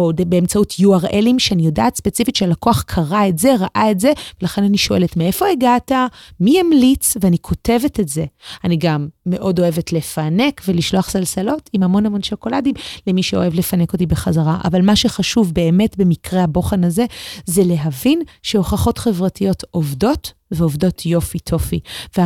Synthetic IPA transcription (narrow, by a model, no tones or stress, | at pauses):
odbeemt͡sautʰjuaʁelimʃeanijo̞daːtspet͡sifitʃealako̞aχkʰaʁaetze̞ʁaʔaetze̞velaχe̞naniʃo̞ʔeletmee̞fo̞eɡatamiamlit͡sveanikʰo̞te̞vetetze̞aniɡamːe̞ʔo̞do̞e̞vetle̞fane̞kve̞liʃloaχz̥alsalo̞timhamo̞nhamo̞nʃo̞ko̞ladimlemiʃeo̞̰e̞vlefaneko̞tibeχazaʁaʔa̰valmaʃeχaʃuvbe̞eme̞tbe̞mikʁehabo̞χenaze̞zele̞ɦavinʃeo̞χaχo̞tχe̞vʁatijo̞tovdo̞t | veovdo̞tʰjo̞fitʰo̞fivea